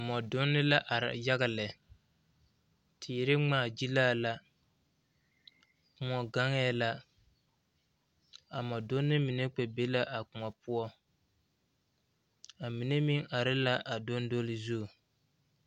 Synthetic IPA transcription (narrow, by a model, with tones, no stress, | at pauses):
a˨mɔ˨do˦nːɪ˦la˦ʔa˨ɾ̰ja˦ɣa˨lɪ˨ | tʰɪː˨ɾɪ˦ŋ͡maː˦˨d͡ʒi˦laː˦˨la˦ | kʊ˨ŋɔ˨ɡa˦ŋɛː˦la˦ | a˨mɔ˨do˦nːɪ˦mi˨ne˦k͡pɛ˨be˦la˦ʔa˨kʊ˨mɔ˨pʊ˦ɔ˦ | a˨mi˨ne˦mi˦ŋa˨ɾɪ˦la˦ʔa˨do˦ndo˦lɪ˦zu˦˨